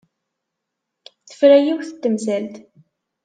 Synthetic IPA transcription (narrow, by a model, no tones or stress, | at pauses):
θə̥fɾæjiwθət̪ːəmzælt̪